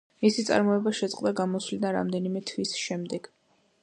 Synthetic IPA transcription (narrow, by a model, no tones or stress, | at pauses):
misit̪sʼa̰ɾmɔɛbaʃɛt̪sʼqʼd̪aɡamɔslid̪anɾa̰md̪ɛnimɛt̪ʰvisʃɛmd̪ɛɡ̥